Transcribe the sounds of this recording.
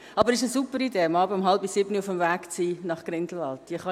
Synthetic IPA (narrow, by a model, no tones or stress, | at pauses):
ɑbəɾɪʃəsupəɾideːmɑːbəəmɦɑlbisɪbniʊfəmvæːkt͡siːnɑχɡ̥ɾɪndl̩ɑltd̥iəχɑ